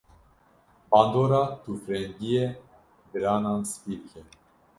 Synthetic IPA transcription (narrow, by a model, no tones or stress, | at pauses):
pand̪ɔɾat̪ʰufɾɛŋɡijɛ | bɾananspiɾkʰɛ